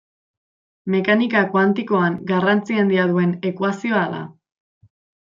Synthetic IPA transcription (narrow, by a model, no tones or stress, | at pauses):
me̞kanikakwant̪iko̞aŋɡarant͡siand̪iaðue̞ne̞kwasio̞ala̰